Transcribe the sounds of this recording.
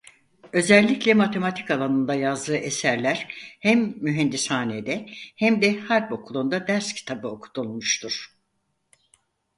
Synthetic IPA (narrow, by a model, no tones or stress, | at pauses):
ø̞zɛlʲːiclʲɛmat̪ʰe̞mat̪ʰi̥kalˠanɯnd̪ajazd̪ɯːʔe̞sæɾlʲæɾ̥hæmːyɦɛnd̪ishaːned̪ɛhæmd̪ɛhaɾbo̞kʰulˠund̪ad̪æɾscʰi̥t̪ʰabɯo̞kʰu̥t̪ʰulˠmuʃt̪ʰuɾ̥